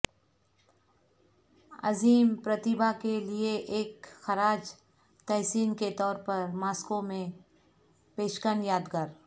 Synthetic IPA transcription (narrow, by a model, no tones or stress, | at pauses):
ɐ̰ziːmpɾɐt̪ɪbakelieʔeːkxɐɾaːd͡ʒ | t̪ɛɦsiːnket̪ɔːɾpɐɾmaːskõmẽ | peːʃkənjaːd̪ɡaɾ